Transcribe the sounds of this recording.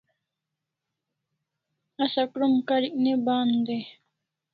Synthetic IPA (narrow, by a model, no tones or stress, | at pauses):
ɐsɐkɾumkaɾiʔnebaːnd̪e